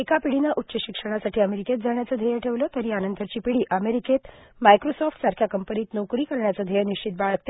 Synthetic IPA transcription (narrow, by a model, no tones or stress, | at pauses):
ekapiɽinaʔutːɕəɕikʂəɽ̃asaʈʰiːəmeɾiket̪̚d͡zʱaɳjatt͡səd̪ʱejəʈʰeʋləːt̪əɾiːanənt̪ʰəɾt͡ɕiːpiɽiːʔəmeɾiket̪ | majkɾosɔfʈsaɾkʰjakəmpəniːt̪nokɾiːkəɾɳjat͡səːd̪ʱejəniɕt͡ɕit̪̚baɭək̚t̪e